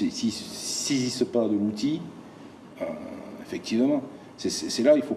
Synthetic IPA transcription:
sisissezist̪əpad̪əlut̪i | øefɛk̚t̪ivmɑ̃ | sɛsɛsɛlailfo

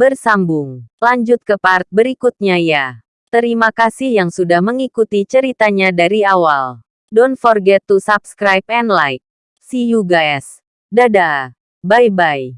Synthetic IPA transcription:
bərsambʊŋlaɲd͡ʒʊt̪̚kəpart̪̚bəɾikut̪̚ɲaja | t̪əɾimakasihjaŋsudahməŋikut̪it͡ʃəɾit̪aɲadaɾiawal | dɔnfɔrɡɛt̪ːusap̚skɾajp̚ɛnlajk̚ | sijuɡaɛs | dadaː | bajbaj

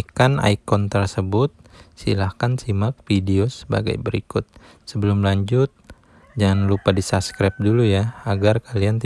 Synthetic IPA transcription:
kana̰ikɔnt̪ərsəbʊt̪̚sḭlahkansimak̚fideosə̥ba̰ɡa̰jbəɾḭkʊt̪̚ | səbəlʊmlaɲd͡ʒʊt̪̚ | d͡ʒaŋanlupadisaskɾap̚dulujaaɡarkaliant̪i

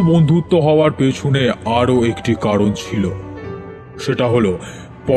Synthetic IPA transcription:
bond̪ʱut̪ːoɦɔoaɾpet͡ɕʰoneaɾoekʈikaɾont͡ɕʰilo | ʃeʈaɦolo | pɔ

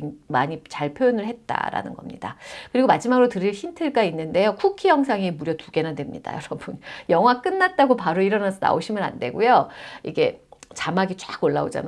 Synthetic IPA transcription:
maɲit͡ɕaɭpʰjojonɯɭhe̞t̚t͈a̰ɾa̰nɯnɡʌ̰mɲḭdakɯɾiɡomad͡ʑimaɡɯɾotɯɾiɭçintʰɯɭɡainːɯnde̞jokʰukʰijʌŋsʰaŋimuɾjʌtuɡe̞nadwe̞mɲḭd̥a̰jʌɾʌbunjʌŋɦwak͈ɯnːat̚t͈aɡopaɾoiɾʌnasʰʌna̰oɕʰimɯɾa̰ndwe̞̰ɡojoiɡe̞t͡ɕamaɡit͡ɕ͈aɡoɭːaod͡ʑa̰n

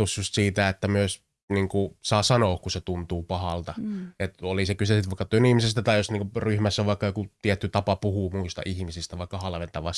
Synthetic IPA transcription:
t̪usjust̪siːt̪æet̪ːæmyøs | niːŋkusɑːsɑnoːkkuset̪unt̪uːpɑhɑlt̪ɑet̪olisekysesit̪ʋɑˑikːɑt̪uønihmisest̪æt̪ɑijosniːŋkuryhmæsːæʋɑikːɑjokut̪iet̪ːyt̪ɑpɑpuhuːmuist̪ɑ̰ʔihmisist̪æʋɑˑikːɑhɑlʋent̪ɑʋɑs

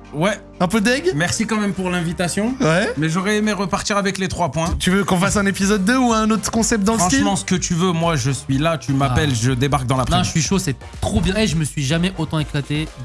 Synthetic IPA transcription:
wɛ | ɛ̃pød̪ɛɡmɛʁsikɑ̃mɛmpuʁlɛ̃vit̪asjɔ̃wɛmɛʒɔʁɛemeʁəpaʁt̪iʁavɛklet̪χwapwɛ̃t̪yvøkɔ̃fasɛ̃nepizɔd̪̚ːəuɛ̃not̪χə̥kɔ̃sɛp̚t̪̚d̪ɑ̃lʁɑ̃ʃimɑ̃sə̥kət̪yvømwaʒəsɥilat̪ymapɛlʒəd̪ebaʁk̚d̪ɑ̃lapχɛ̃sɥiʃosɛ | t̪χobjɛ̃eʒəməsɥiʒamɛʔot̪ɑ̃eklat̪e

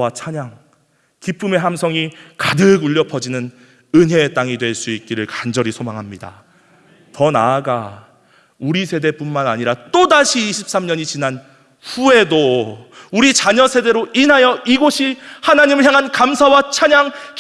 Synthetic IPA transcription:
at͡ɕʰaɲaŋ | kip͈ume̞ɦamsʰʌŋikadɯɡuʎːʌpʰʌd͡ʑinɯn | ɯnɦe̞ːt͈aŋidwe̞ɭs͈uit̚k͈iɾɯɭkand͡ʑʌɾisʰomaŋɦamɲida̰ | tʌnaːɡa | uɾisʰe̞de̞p͈unmanaɲiɾat͈odaɕʰiːɕʰip̚s͈amɲʌɲit͡ɕinan | ɸue̞do | uɾit͡ɕaɲʌsʰe̞de̞ɾoʔinɦajʌʔiɡoɕʰihanaɲimɯɭçjaŋɦankamsʰawat͡ɕʰaɲaŋk

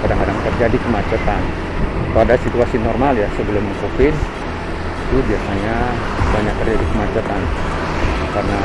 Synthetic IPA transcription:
kadaŋkadaŋt̪ərd͡ʒadikəmat͡ʃat̪an | at̪aadasit̪uasinɔrmaljasəbəlʊməŋkofɪn | it̪ubiasaɲa | baɲak̚t̪ərd͡ʒadikəmat͡ʃat̪an | karna

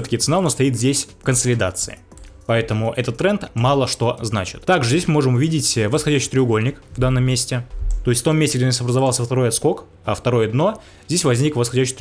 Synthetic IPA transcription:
t̪ə̥kʲɪt̪sɨnanost̪ɐit̪zʲdʲesʲfkənsəlʲɪd̪at̪sɨɪ | pɐɛt̪əmʊʔɛt̪ət̪ːɾɛnt̪mɑlˠəʂt̪o̞znat͡ɕɪ̥t̪t̪aɡʐɨzʲdʲesʲmɨmo̞ʐɨmʊvʲidʲɪtʲvəsxɐdʲæɕːɪ̥it̪ɾʲɪʊɡo̞lʲnʲɪkvd̪anːəmʲːesʲtʲɪt̪o̞ɪsʲtft̪o̞mʲːesʲtʲɪɡdʲenasɐbɾəzɐvalˠsʲəft̪ɐɾo̞jɐt̪sko̞k | ɐft̪ɐɾo̞jɐd̪no̞ | zʲdʲes̬ʲvɐzʲnʲikvəsxɐdʲæɕːɪ̥jt̪ʲ

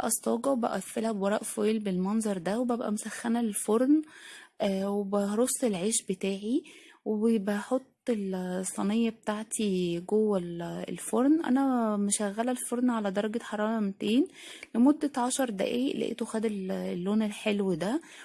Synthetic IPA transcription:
ʔæst̪ˤɑːɡɑwebæʔæfːelhæbwɑɾˤɑ̰ːʔfojlbelmɑnzˤɑɾˤd̪æwebæbʔæ̰mosæxːænæelfoɾn | webæɾˤosˤːelʕeːʃbet̪æːʕiwebebæħot̪ˤːelsˤːɑnejːɑbet̪aʕt̪ʰiɡowːælḛlfoɾnʔæ̰næmeʃæɣːælælfoɾnʕalæd̪ɑɾˤɑɡeħɑɾˤɑːɾˤɑmt̪eːnlemod̪ːæʕɑʃɑɾˤd̪æ̰ʔiːʔlæ̰ʔḛːt̪oxæːd̪ellːoːnelħelwed̪æ

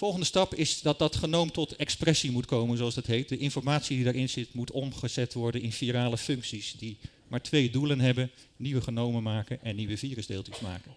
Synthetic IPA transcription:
fɔlˠχəndəstɑpɪzdɑt̚dɑtχənowmtɔtɛksprɛsimutkowmənzoɑzdɑtɦejt̚dəʔɪnfɔɹmaːtsididaːɹɪnzɪtmutɔmχəz̥ɛtʋɔɹdənɪnfiɾaːləfɵŋksisdi | maːɹtʋejdulənɦɛbən | niʋəχənowmənmaːkənʔɛnːiʋəviːrəzdeːlˠtɪsma̰ːkən

